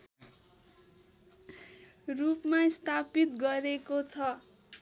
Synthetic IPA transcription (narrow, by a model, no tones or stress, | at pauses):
rupmast̪ʰapit̪ɡʌɾekot͡sʰʌ